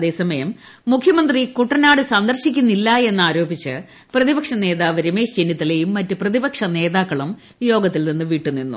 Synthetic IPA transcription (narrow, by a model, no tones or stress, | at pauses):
ðe̞ːsɐmɐjɐmː | ukʰjɐmɐnd̪rikuʈːɐnaːɽɨsɐnd̪ɐrɕikʲːunːilːɐe̞nːaːɾo̞ːbit͡ɕːɨ | prɐðibɐkʂɐne̞ːðaːʋɐɾimeːd͡ʑenːjɐt̪ːile̞jumːɐtːɨprɐðibɐkʂɐne̞ːðaːkːɐɭum | jo̞ːɡɐt̪ːilninːɨʋiːʈːunːinːṵ